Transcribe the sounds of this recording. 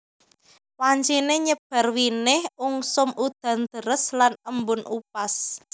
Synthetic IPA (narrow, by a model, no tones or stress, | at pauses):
waɲt͡ʃineɲəb̥a̤rwinɪhuŋsʊmud̪̥ä̤nd̪̥əɾəslanəmbʊnʔupas